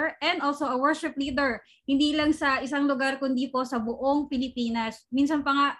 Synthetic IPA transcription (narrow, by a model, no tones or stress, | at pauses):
ɹʔɛ̃nd̪ʔolsoʔɐwɛɹʃɪpliːd̪ɛɹ | hɪnd̪iːlɐŋsɐʔɪsaŋlʊɡaɾkʊnd̪ipo̞sɐbʊʔoŋpɪlɪpiːnɐsminsɐnpɐŋa